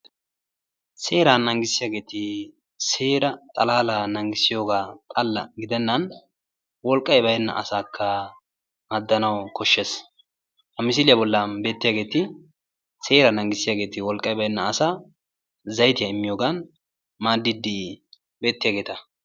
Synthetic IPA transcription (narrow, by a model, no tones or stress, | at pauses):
se̞ːɾanːɐŋɡɪsːɪjaːɡe̞ːt̪ɪ | se̞ːɾɐt̪ʼɐlaːlanɐŋɡɪsɪjo̞ːɡaːt̪ʼɐlːɐ̰ɡɪd̪ɛnːɐn | wɔlkʼːɐjbɐjɛnːɐ̰ʔɐsaːkʰːɐ | mɐd̪ːɐnɐwkʰɔʃːeːs | hɐmɪs̬ɪlɪjɐbɔlːɐanbe̞ːt̪ːɪjaːɡe̞ːt̪ɪ | se̞ːɾɐnɐŋɡɪsːɪjaːɡe̞ːt̪ɪwɔlkʼːɐjbɐjɛnːɐːsaː | zɐjt̪ɪjɐɪmːɪjoːɡɐn | maːd̪ːɪd̪ːɪ | be̞ːt̪ːɪjaːɡe̞ːt̪ɐ